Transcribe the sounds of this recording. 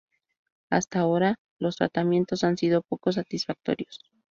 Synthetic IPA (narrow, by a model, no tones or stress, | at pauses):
a̰st̪ao̞ɾa | lo̞st̪ɾa̰t̪amje̞nt̪o̞sansiðo̞po̞ko̞s̬at̪isfak̚t̪o̞̰ɾjo̞s